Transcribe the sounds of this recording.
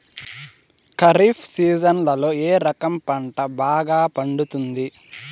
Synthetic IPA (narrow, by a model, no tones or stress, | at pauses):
kɐɾipʰsiːd͡ʒɐnlɐlo̞ːeːɾɐkɐmpɐɳʈɐbaːɡaːpɐɳɖut̪und̪i